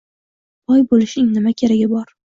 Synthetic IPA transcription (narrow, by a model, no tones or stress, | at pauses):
bɒjbolɪʃɪŋnɪmakʲʰeɾaɡʲɪbɒɾ